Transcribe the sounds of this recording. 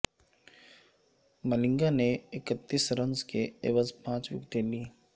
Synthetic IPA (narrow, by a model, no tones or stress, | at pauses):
məlɪ̃ŋɡaneɪkət̪ːiːsɾə̃nzkeḛːʋəzpãːt͡ʃjʊ̰kt̪eliː